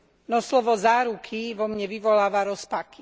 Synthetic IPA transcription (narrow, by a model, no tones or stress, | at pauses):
nɔslɔʋɔzaːɾukʰiʋɔmɲɛʋiʋɔlaːʋaɾɔspaki̥